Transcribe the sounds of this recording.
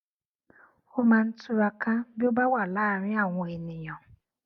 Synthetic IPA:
ʊ˦ma˨n̩˦tʊ˦a˨ka˦bʊ˦ba˦wa˨la˦˨ɾɪ˦a˨ŋʷ˨e˨nɪ˨ɲɔ˨

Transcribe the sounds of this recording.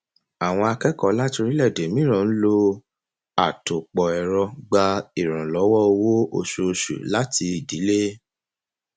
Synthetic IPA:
a˨w̃ɔ̃˧a˧kɛ˦kɔ˦˨la˦ti˧ɾi˦lɛ˦˨de˨mĩ˦ɾ̃ã˨˦n̩˦lo˧ | a˨to˨k͡pɔ˨ɛ˨ɾɔ˧ɡ͡ba˧i˨ɾ̃ã˨lɔ˨˦wɔ˦o˧wo˦o̰˧ʃu˧o˧ʃṵ˨la˦ti˧i˨di˨˦le˦

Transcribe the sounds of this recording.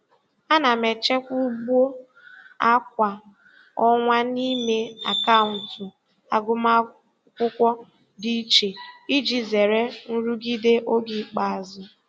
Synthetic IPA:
a˦na˨me˨t͡ʃe˦kʷu˦bu˦o˦ | a˦k̚ʷa˨ | ɔ˦ŋʷa˦ni˦me˦a˨ka˦ʊ˨n̩˨tʊ˨ | a˨ɡʊ˦ma˦ | kʷʊ˦kʷɔ˦ | di˦t͡ʃe˨i˦d͡ʒi˨ze˨ɾe˦n̩˦ɾu˦ɡi˦de˦ʔo˦ɡi˨k͡pa˨a˨zʊ˨

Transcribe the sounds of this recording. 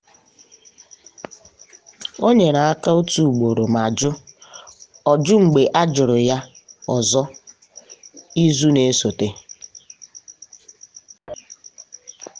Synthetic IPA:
o˦ɲe˨na˨a˦ka˦u˦tu˨ɡ͡bo˨ɾo˨ma˨d͡ʒʊ˦ | ɔ˨d͡ʒʊ˦ŋ͡m̩˨ɡ͡be˨ʔa˦d͡ʒʊ˨ɾʊ˨ja˦ | ɔ˨zɔ˦ | i˦zu˦ne˦so˨te˦

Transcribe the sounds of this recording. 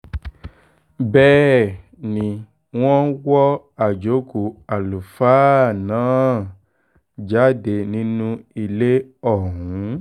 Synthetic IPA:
bɛː˦˨ | nĩ˧ | w̃ɔ̃˦wɔ˦ | a˦˨d͡ʒo˨˦ku˧˨a˨lu˨faː˦nãː˨˦ | d͡ʒa˨˦de˧nĩ˦nũ˦i˧le˦ɔ˦˨ɦũ˨˦

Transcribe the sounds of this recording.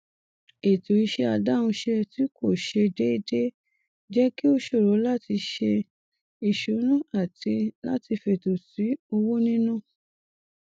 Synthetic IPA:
e˨to˨i˧ʃɛ˧a˧da˦wũ˧ʃe˧ɾɛ˧ti˨˦kʰo˦˨ʃe˧de˦i˧de˦ | d͡ʒɛ˦ki˦o˦ʃo˦˨ɾo˨˦la˦ti˧ʃe˧ | i˨ʃu˨˦nũ˦a˦˨ti˧la̰˦ti˧fe˧˨to˨si˨˦o˧wo˦nĩ˦nũ˦˨

